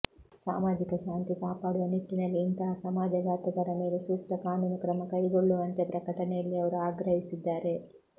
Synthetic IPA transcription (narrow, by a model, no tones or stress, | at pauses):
sa̰ːmaːd͡ʒikɐʃaːnt̪ikaːpaːɽuʋɐniʈ̪ːinɐlːiːnt̪ɐɦɐsɐmaːd͡ʒɐɡaːt̪ɐɡɐɾɐmeːle̞suːk̚t̪ɐkaːnuːnukɾɐmɐkɐjɡoɭːuʋɐnt̪epɾɐkɐʈɐnejɐlːiɐʋɐɾuaːɡɾɐɦisid̪ːaːɾe̞